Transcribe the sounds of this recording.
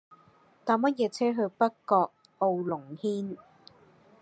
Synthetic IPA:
t̪aː˨˥mɐ˥t̚jɛː˨˧t͡sʰɛː˥ɦɵ˧ɥpɐ˥kɔː˧k̚ | o˧wlʊ˨˩ŋhiː˥n

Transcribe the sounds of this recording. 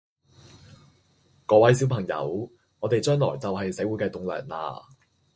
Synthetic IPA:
kɔː˧˥wɐ˨˥jsi˨˥wpʰɐ˨˩ŋjɐ̰˨˧w | ŋɔː˨˧t̪e˨jt͡ʃœː˥ŋlɔ̰ː˨˩jt͡sɐ˨whɐ˨jsɐ˨˥wu˨˥kɛː˧t̪ʊ˨ŋlœ̰ː˨˩ŋla̰ː˧

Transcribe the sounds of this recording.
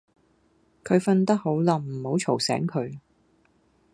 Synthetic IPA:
kʰɵ˨˧ɥfɐ˧nt̪ɐ˥k̚ho˨˥wlɐ˧m̩˨˩ho˨˥wt͡ʃʰo˨˩wsɛ̰ː˨˥ŋkʰɵ˨˧ɥ

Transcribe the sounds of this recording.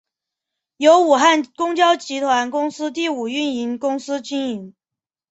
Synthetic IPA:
jo˧˥ʊu˨˩xa˥˩nkʊ˥ŋt͡ɕjɑ˥ʊt͡ɕi˧˥t̪ʰwa˧˥nkʊ˥ŋsɹ̩˥t̪̬i˥˩u˨˩y˥˩ni˧˥nkʊ˥ŋsɹ̩˥t͡ɕi˥ni˧˥ŋ

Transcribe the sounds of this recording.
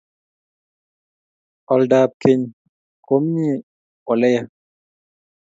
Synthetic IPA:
ɔ˨ldaː˨p̚ke˨ɲ | kʰo˦mɲi˦˨ | ɔ˨lɛ˦ja˦

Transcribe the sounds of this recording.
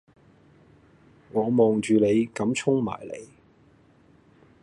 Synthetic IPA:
ŋɔː˨˧mɔː˨ŋt͡ʃyː˨ne˨˧jkɐ˨˥mt͡sʰʊ˥ŋma̰ː˨˩jlḛ˨˧j

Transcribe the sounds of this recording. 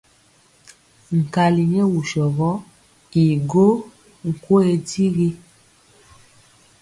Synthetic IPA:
ŋ̩˨ka˨li˨ɲɛ˦wu˨ʃɔ˨ɣɔ˦ | i˨ɡo˦ | ŋ̩˨ko˦e˨di˦ɣi˦

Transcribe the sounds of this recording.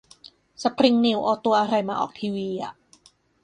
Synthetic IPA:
sa˧pʰɾi˧ŋni˧˩˨wʔɔː˧t̪u˧ɐʔa˧ɾa˧jmaː˧ʔɔ̰ː˨˩k̚t̪ʰiː˧wiː˧ʔa̰˨˩ʔ

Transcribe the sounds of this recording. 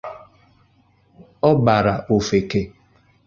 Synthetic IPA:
ɔ˦ba˨ɾa˨ʔo˨fe˨ke˨

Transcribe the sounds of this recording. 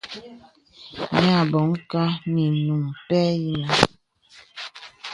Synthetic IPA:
ɲa˦˨bɔ˨˦ŋ̩˦ka˦ni˨nu˨ŋpɛ˦ji˦na˦

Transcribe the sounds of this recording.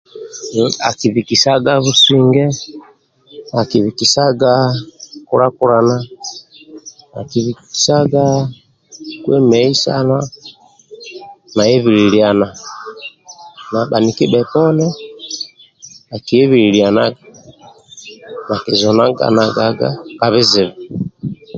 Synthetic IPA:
a˨ki˨βi˨ki˨sa˦ɡa˦βu˦si˦ŋɡɛ˦ | a˨ki˨βi˨ki˨sa˦ɡa˦ku˦ɾa˦ku˦ɾa˨na˦ | a̰˨ki˨βi˨ki̥˨sa˦ɡa˦ | kwɛ˦mɛ˨i˦sa̰˦na˦ | na˨ɛ˦βi˨ɾi˨ɾia˨na˨ | na˨ba˨ni˨ki˦bɛ˨pɔ˦nɛ˦ | a˨ki˨ɛ˦βiɾi˨ɾia˨na˦ɡḁ˨ | na˨ki˨zɔ˨na˦ɡa̰˨na˨ɡa˨ɡa̰˦ka˨βi˦zi˨βa

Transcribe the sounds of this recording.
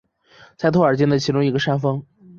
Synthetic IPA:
t͡sʰɪt̪ʰə˞˨˩t͡ɕjɛ˥nd̪ə˧˩t͡ɕʰi˧˥ʈ͡ʂʊ˥ŋi˧˥ɡə˧ʂa˥nfɤ˥ŋ

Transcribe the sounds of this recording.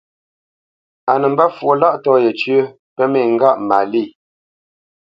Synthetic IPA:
a˨nə˨m̩˦ba˦fwo˨la˦ʔtɔː˦jɛ˨t͡ʃɥə˦ | pɛ˦mɛ˦˨ŋ˦ɡa˦˨ʔma˨li˦˨

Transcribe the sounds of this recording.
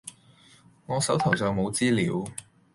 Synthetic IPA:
ŋɔː˨˧sɐ˨˥wt̪ʰɐ˨˩wsœː˨ŋmo˨˧wt͡siː˥liː˨˧˥w

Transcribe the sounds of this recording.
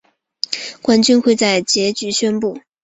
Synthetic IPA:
kwa˥nt͡ɕy˥nxwe˥˧ɪt͡sa˥˩ɪt͡ɕjɛ˧˥t͡ɕy˧˥ɕɥɛ˥npu˥˩

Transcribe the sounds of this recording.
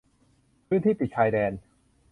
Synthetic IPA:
pʰɯ˥˩nt̪ʰiː˥˩pi˨˩t͡ɕʰaː˧jdɛː˧n

